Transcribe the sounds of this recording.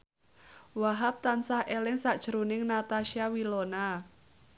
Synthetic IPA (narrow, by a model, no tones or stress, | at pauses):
waɦap̚t̪ansahʔelɪŋsaʔd̥ʒ̥əɾunɪŋnat̪aʃiawilona